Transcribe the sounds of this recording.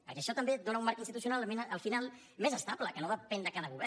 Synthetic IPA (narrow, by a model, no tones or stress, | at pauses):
pəɾkɛəʃɔt̪əmbed̪onəumːaɾkəinst̪it̪usjunalmenʔəlˠfinalˠ | mezəst̪apləkənoðəpɛnd̪əkanəɣuβɛ